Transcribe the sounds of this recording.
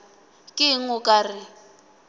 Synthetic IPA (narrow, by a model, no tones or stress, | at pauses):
kʼɪŋ̩ʊkʼarɪ